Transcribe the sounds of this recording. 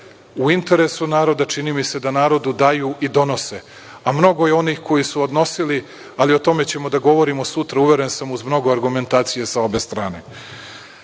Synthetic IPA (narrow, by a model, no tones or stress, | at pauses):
uint̪e̞ɾesunaːɾo̞d̪at͡ʃiniːmise̞d̪anaːɾo̞d̪ud̪ajuʔid̪o̞no̞se | amno̞ɡo̞jeo̞nixko̞jisuod̪no̞sili | alio̞t̪o̞me̞t͡ɕe̞mo̞d̪aɡo̞ʋo̞ɾimo̞sut̪ɾauʋe̞ɾensamuzmno̞ɡo̞aɾɡume̞nt̪aːt̪sije̞sao̞be̞st̪ɾaːne̞̰